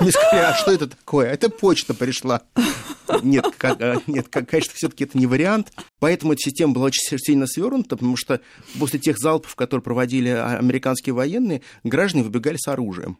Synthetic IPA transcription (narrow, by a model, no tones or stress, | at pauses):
mʲɪskvʲeɐʂt̪o̞ɛt̪ət̪ɐɐ̥ko̞jəɛt̪əpot͡ɕt̪əpɾʲɪʂlˠa | nʲet̪kanʲet̪kɐkːɐeʂnə̥fsʲɵt̪ə̥kʲɪɛt̪ənʲɪvəɾʲɪant̪pɐɛt̪əmʊɛt̪əsʲɪsʲtʲeməbɨlˠaot͡ɕɪ̥nʲsʲilʲnəsvʲo̞rnʊt̪əpət̪ɐmuʂt̪o | po̞sʲlʲɪtʲexzalˠpə̥fkɐt̪oɾɨɪpɾəvɐdʲilʲɪɐ̰ɐ̰mʲɪɾʲɪkanskʲɪjəvɐjenːɨjə | ɡɾaʐd̪ənʲɪvɨbʲɪɡalʲɪsɐɾuʐɨ̰jə̰m